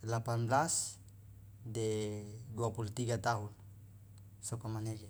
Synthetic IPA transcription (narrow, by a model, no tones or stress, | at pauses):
lapanblas | d̪eɡwapult̪iɡat̪aɦul | sokomaneɡe